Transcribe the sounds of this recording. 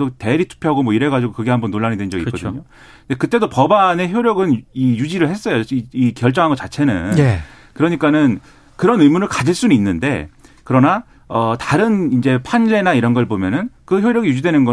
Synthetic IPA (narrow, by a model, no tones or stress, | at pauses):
dote̞ɾitʰu̥pʰjoɦaɡomwʌiɾe̞ɡad͡ʑiɡokɯɡe̞hambʌnːoɭːaɲidwend͡ʑʌɡikʌd̪ɯɲo | ndekɯt͈e̞dopʌbane̞çjoɾjʌɡɯnijud͡ʑiɾɯɭhe̞s͈ʌjoiikjʌɭt͡ɕ͈ʌŋɦanɡʌt͡ɕ͈at͡ɕʰe̞nɯ̰ne | kɯɾʌɲik͈anɯn | kɯɾʌnɯmunɯɭkad͡ʑiɭs͈uninːɯnde̞̰ | kɯɾʌna | ʌtaɾɯnind͡ʑe̞pʰanle̞naiɾʌnɡʌɭbomjʌnɯnkɯçjoɾjʌɡijud͡ʑidwenɯnɡʌ